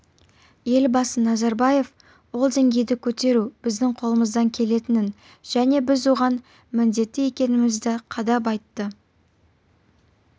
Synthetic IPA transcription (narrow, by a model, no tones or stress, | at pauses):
je̞lbɑsənɑzɑɾbɑje̞f | wo̞lˠd̪eŋɡʲe̞jd̪ɪkʲʰɵt̪e̞ɾub̥ɪzd̪ɪŋqʰo̞lˠəməzd̪ɑŋkʲʰe̞le̞t̪ɪnɪn | ʒ̥æne̞bɪzwo̞ʁɑn | mɪnd̪e̞t̪ːɪe̞kʲe̞nɪmɪzd̪ɪqʰɑd̪ɑp̬ɑjt̪ːə